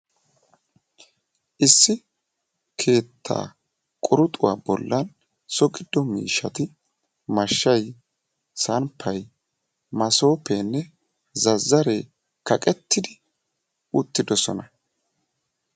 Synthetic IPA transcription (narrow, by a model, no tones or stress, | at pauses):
ʔɪsːɪ | kʰe̞ːt̪ʰːa̰ː | kʼʊɾʊt̪ʼʊwaːbɔ̰lːɐn | sɔɡʼɪd̪ːɔmḭːʃɐt̪ɪ | mɐʃːɐj | sɐnpʰːɐj | mɐso̞ːpeːnːɛ | zɐzːɐɾeː | kɐkʼɛt̪ːɪd̪ɪ | ʊt̪ːɪd̪ɔsɔ̰nɐ